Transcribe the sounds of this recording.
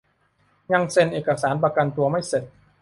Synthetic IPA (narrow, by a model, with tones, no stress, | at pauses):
ɲa˧ŋse˧nʔeː˨˩kːa˧saː˩˦npa˧ka˧nt̪u˧ɐma˥˩jse˨˩t̪̚